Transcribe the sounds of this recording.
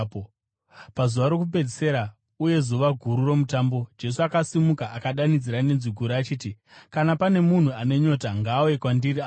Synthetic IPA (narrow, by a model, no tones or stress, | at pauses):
pazuʋaɾo̞kup̬ed͡zise̞ɾa | uje̞zuʋaɡʱuɾuro̞mutaːmbo̞d͡ʒe̞s̬uakasimukaʔakaɗanid͡ziɾane̞nziɡʱuɾaaːt͡ʃiːti | kanapane̞mun̤uane̞ɲo̞taŋɡaːoje̞kwandiria